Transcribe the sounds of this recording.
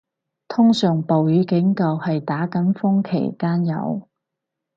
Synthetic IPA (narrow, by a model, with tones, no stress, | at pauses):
t̪ʰʊ˥ŋsœː˨˩ŋpo˨wjyː˨˧˥kɪ˨˥ŋkɐ˨˧whɐ˨jt̪aː˨˥kɐ˨˥nfʊ˥ŋkʰḛ˨˩jkaː˥njɐ̰˨˧w